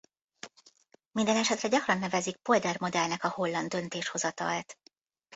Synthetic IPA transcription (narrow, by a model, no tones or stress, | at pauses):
mind̪ɛnɛʃɛt̪rɛɟɒkrɒnːɛvɛzik̚po̞ld̪ɛrmo̞d̪ɛlnɛkɒho̞lːɒnd̪ø̞nt̪eːʃho̞zɒt̪ɒ̰lt̪